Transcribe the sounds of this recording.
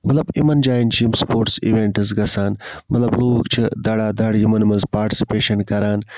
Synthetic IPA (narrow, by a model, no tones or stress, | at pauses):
mɐt̪lɐbimɐnd͡ʒaːjint͡ʃʰiːmspoːɾʈsḭʋeɳʈɐs̬ɡɐsaːnmɐt̪lɐbluːkt͡ʃʰid̪ɐɽaːd̪ɐɽjimɐnmɐnzpaːɾʈi̥si̥peːʃɐnkɐɾaːn